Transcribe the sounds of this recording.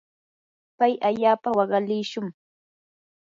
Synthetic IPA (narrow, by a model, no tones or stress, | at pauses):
pajʔaʎaːpawɑɢɑlɪːʃʊŋ